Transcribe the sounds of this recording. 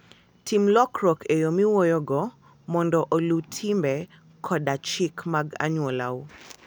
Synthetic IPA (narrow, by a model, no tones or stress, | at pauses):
tʰimlɔkɾɔkʰejomiwojɔɡɔ | mɔndɔʔolutʰimbɛ | kʰɔɗat͡ʃikmaɡa̰ɲwɔla̰u